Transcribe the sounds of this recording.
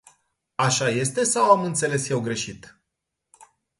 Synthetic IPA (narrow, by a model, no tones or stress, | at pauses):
aʃaje̞st̪e̞sawamɨnt̪se̞le̞sje̞wɡɾe̞ʃit̪